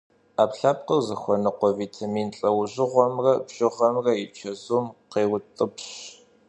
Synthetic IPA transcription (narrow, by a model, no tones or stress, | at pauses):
aːpɬaːp̚qɐwzɐxʷɔnɨqʷɔviːtʰamiːnɬʼɐwʑɪʁʷɔmrɐbɕʼɪʁɐmrɐjɪt͡ʃʰɐzuːmqeːwʊtʼɨpɕ